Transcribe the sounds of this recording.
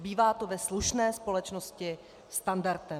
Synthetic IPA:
biːvaːt̪o̞vɛsluʃnɛːspo̞lɛt͡ʃnoscɪ | st̪andaɾt̪ɛ

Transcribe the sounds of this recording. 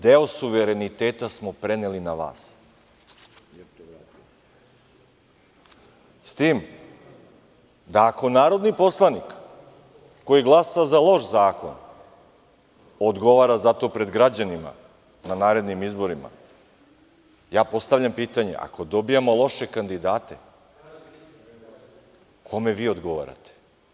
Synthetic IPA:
d̪eosuʋeɾe̞nit̪eːt̪asmo̞pɾe̞nelinaʋa̰ːs | t̪o | st̪iːm | d̪aːko̞naːɾo̞d̪nipo̞slˠanikː | o̞jiɡlˠasazalˠo̞ʃzaːko̞̰n | od̪ɡo̞ʋaːɾazat̪o̞pɾe̞d̪ɡɾad͡ʑanima̰ | nanaːɾe̞d̪nimizbo̞ɾima̰ | jaːpo̞st̪aʋʎampiːt̪aɲe̞̰ʔa̰ko̞d̪o̞bijamo̞lˠoʃe̞kand̪id̪aːt̪e̞ | kʰo̞me̞ʋiːo̞d̪ɡo̞ʋa̰ːɾa̰t̪e̥

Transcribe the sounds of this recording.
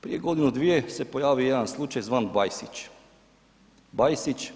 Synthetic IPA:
pɾije̞ɡo̞d̪inud̪ʋijese̞po̞jaːʋijed̪anslˠut͡ʃajzʋaːnbajsit͡ʃ | bajsit͡ʃ

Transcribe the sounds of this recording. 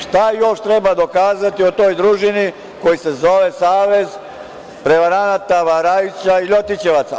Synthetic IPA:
ʃt̪ajo̞ʃt̪ɾebad̪o̞kaːzat̪iot̪o̞jd̪ɾuʒini | ko̞jise̞zo̞ʋe̞saːʋe̞z | pɾe̞ʋaɾanat̪aʋaɾait͡ɕaiʎo̞t̪it͡ɕe̞ʋat̪sa

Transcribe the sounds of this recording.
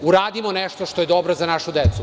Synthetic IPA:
uɾaːd̪imoneʃt̪oʃt̪ojed̪obɾozanaʃud̪et̪su

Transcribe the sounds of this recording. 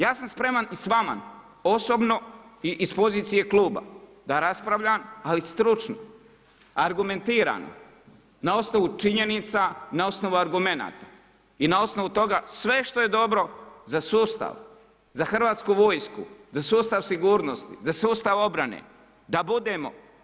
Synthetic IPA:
jaːsamspɾe̞manisʋama̰n | o̞so̞bno̞iʔːspo̞ziːt̪sije̞klˠuːba̰ | d̪aɾaspɾaʋʎaːmalist̪ɾut͡ʃno̰ | aɾɡume̞nt̪iːɾa̰no̰ | nao̞sno̞ʋut͡ʃiɲe̞nit̪sanao̞sno̞ʋuaɾɡume̞na̰ːt̪a | inao̞sno̞ʋut̪o̞ɡasʋe̞ʃt̪oje̞d̪o̞bɾo̞zasuːst̪a̰ʋ | zaxr̩ʋaːt̪skuːʋo̞ːjskṵzasuːst̪aʋsiɡuːɾnost̪izasuːst̪aʋo̞bɾanḛː | d̪abud̪e̞ːmo̞̰

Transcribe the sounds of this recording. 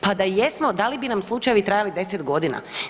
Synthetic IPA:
pad̪ajesmo̞d̪alibinamslˠut͡ʃajʋit̪ɾajalid̪e̞set̪ɡo̞d̪ina̰

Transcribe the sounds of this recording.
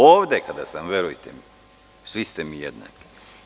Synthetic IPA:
oːʋd̪ekad̪a̰samʋeɾujt̪ḛmi | sʋist̪emijḛd̪na̰ki̥

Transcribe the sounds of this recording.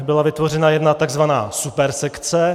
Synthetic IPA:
bɪlavɪt̪vo̞rɛnajɛdnat̪aɡzvana̰ːsupɛɾsɛkt͡sɛ

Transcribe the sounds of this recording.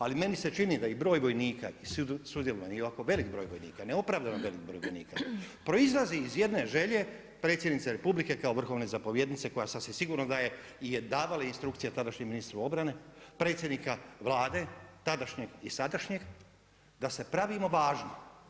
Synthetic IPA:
alime̞nise̞t͡ʃinid̪aibɾo̞ːjʋo̞jniːka̰issud̪jelo̞ʋanijoakoʋe̞likbɾo̞ːjʋojnḭːkaneo̞pɾaːʋd̪anoʋe̞lik̚bɾo̞ːjʋojniːkapɾo̞izlˠaziːzje̞d̪ne̞ʒe̞ʎe̞ | pɾe̞t̪sʲjed̪nit̪saɾe̞publike̞kao̞ʋr̩xo̞ʋne̞zapoʋje̞d̪nit̪se̞ko̞jasasesiɡuːɾnod̪aje̞ijed̪aːʋalainst̪ɾukt̪sijat̪ad̪aʃɲeminist̪ɾao̞bɾane̞pɾe̞ːt̪sjed̪nikaʋlˠaːd̪e̞t̪ad̪aʃɲeɡisad̪aʃɲe̞ɡ | d̪ase̞pɾaʋimo̞ʋaːʒno

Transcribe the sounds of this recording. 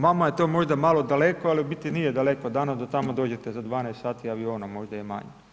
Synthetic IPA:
mamaje̞t̪o̞ːmo̞ʒd̪amalˠo̞d̪alekoaliubit̪inijed̪alekod̪aːnad̪at̪amod̪o̞ːd͡ʑet̪ezad̪ʋaːnast̪saːt̪iaʋio̞ːnamo̞ʒd̪ajema̰ɲe

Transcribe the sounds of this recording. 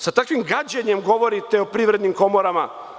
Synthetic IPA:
sat̪akʋimɡad͡ʑeɲemɡo̞ʋo̞ɾit̪eopɾiːʋɾed̪nimko̞moɾama

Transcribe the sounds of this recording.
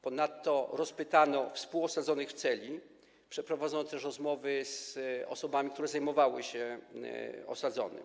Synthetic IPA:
pɔnat̪ːɔɾɔspɘt̪anɔfspuwɔsad̪zɔnɘxft̪sɛlʲi | pʂɛpɾɔvad̪zɔnɔt̪ɛʂɾɔzmɔvɘsɔ̰sɔbamʲikt̪uɾɛzajmɔvawɘɕɛ | ɔ̰sad̪zɔ̰nɘ̰

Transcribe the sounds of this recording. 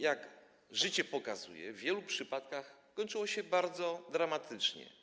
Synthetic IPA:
jaɡ | ʐɘt͡ɕɛpɔkazṵjɛ̰vʲjɛlupʂɘpat̪kaxkɔɲt͡ʂɨwɔɕɛbaɾd̪zɔd̪ɾamat̪ʰɘt͡ʂɲɛ̰

